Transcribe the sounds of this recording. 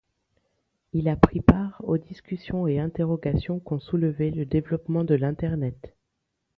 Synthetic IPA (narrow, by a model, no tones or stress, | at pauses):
ilapχipaʁod̪iskʲysjɔ̃eɛ̃t̪eʁɔɡasjɔ̃kɔ̃suləvɛləd̪evlɔpmɑ̃d̪əlɛ̃t̪ɛʁnɛt̪